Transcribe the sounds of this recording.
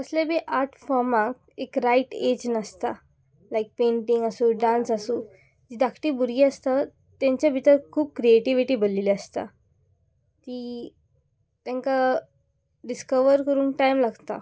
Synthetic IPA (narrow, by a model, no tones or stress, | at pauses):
əslebeʔaɾʈʰfɔɾmak̚ | ekɾajʈed͡ʑnast̪a | lajk̚peɳʈĩŋɡasuːɖãnsasuː | d͡ʑid̪akʰʈiːbuɾɡiːəst̪a | t̪ãɲt͡ɕjabʱit̪əɾkʰuːb̚kɾieʈiʋiʈiːbəlːiliast̪a̰ | t̪iː | t̪ɛ̃ŋka | ɖiskəʋəɾkəɾuːnkʈajmlaɡt̪a̰